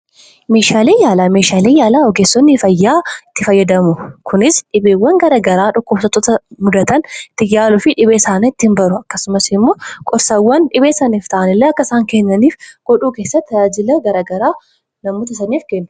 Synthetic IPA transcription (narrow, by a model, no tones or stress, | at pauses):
me̞ːʃaːleːjaːlameːʃaːleːjaːlaɔɡeːsːɔnːɪfɐjːaːɪt̪ːɪfɐjːɐd̪ɐmʊkʰʊnɪsᶑɪbeːwːɐŋɡɐɾɐɡɐɾaːᶑɔkːɔfsɔt̪ːɔt̪ɐmʊd̪ɐt̪ɐnt̪ːɪjaːlʊfɪᶑɪβeːsaːneɪt̪ːɪhɪnbɐɾʊɐkːɐsʊmɐsɪmːo̞ːkʼɔɾsɐwːɐnᶑɪβeːsɐniːft̪ɐʔɐnɪlːɛɐkːɐɪsaːŋkɛnːɐniːfɡ̥ɔᶑuːkeːsːɐt̪ːɐjaːd͡ʒɪlɐɡɐɾɐːɡɐɾaː | nɐmoːt̪ɐɪsɐniːfkɛnːʊ